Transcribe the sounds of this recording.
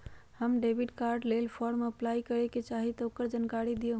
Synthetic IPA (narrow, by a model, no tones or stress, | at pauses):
həmɖebʱiɖkaɾɖlelpʰɔɾmeəplajkəɾeket͡ʃaɦit̪ɔokəɾd͡ʒankaɾid̪ieɦ